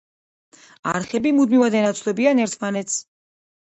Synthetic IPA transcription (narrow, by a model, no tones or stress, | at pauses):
aɾχɛbimud̪mivad̪ɛnat̪sʰlɛbianɛɾt̪ʰmanɛt̪sʰ